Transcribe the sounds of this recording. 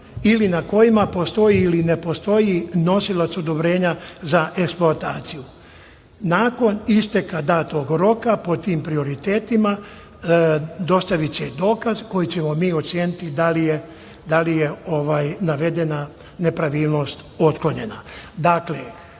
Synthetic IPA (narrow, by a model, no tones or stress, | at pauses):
ilinako̞jimapo̞st̪o̞jiːline̞po̞st̪o̞jino̞silat̪so̞d̪o̞bɾe̞ːɲazaʔe̞ksploat̪aːt̪siju | naːko̞nist̪ekad̪aːt̪o̞ɡɾo̞kapo̞t̪iːmpɾio̞ɾit̪e̞ːt̪ima | d̪o̞st̪aʋit͡ɕed̪o̞ːkazko̞jit͡ɕe̞mo̞miːo̞t̪sjeːnit̪id̪alije | d̪alije̞o̞ʋaːjnaʋe̞d̪e̞na | ne̞pɾaʋiːlˠno̞st̪o̞t̪kloɲe̞̰na̰d̪akle